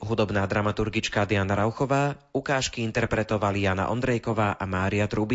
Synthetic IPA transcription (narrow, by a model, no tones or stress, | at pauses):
ɦud̪ɔbnaːd̪ɾamat̪uɾɡit͡ʃkad̪ɪanaɾaʊxɔʋaː | ukaːʃkiint̪ɛɾpɾɛt̪ɔʋalijaːna̰ʔɔ̰nd̪ɾɛjkɔʋaːʔamaːɾiat̪ɾubi